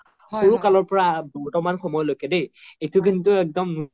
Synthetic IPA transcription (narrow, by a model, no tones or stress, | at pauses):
xoɹukalɔɹpɔɹabɔɹtɔmanxɔmɔjɔlojkɛdejejtʊk̬intʊɛk̚dɔmnu